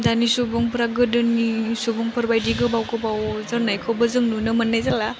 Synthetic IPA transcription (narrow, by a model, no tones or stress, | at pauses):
danisubɔŋpɾaɡɯdɯnisubuŋpʰəɾbajdiɡɯbawɡɯbawzəɾnajkʰɯbəzɯŋnunɯmənːajzala